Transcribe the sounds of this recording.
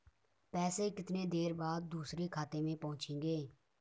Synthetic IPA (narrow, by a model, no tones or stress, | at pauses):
pɛːseːkɪt̪neːd̪eːɾbaːd̪̚ːuːsɾeːkʰaːt̪eːmẽːpɔʊt͡ʃʰĩːŋɡeː